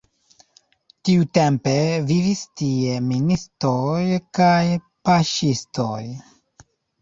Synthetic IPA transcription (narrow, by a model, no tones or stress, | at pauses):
tiute̞mpe̞vivistieministojkaj | paʃisto̰j